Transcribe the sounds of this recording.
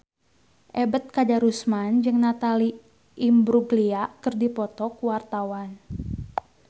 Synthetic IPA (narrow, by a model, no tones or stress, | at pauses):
ʔɛbət̪̚kad͡ʒaɾusmand͡ʒɨŋnat̪ali | ʔːmbɾuɡliakɨrdipɔt̪ɔkuwart̪awan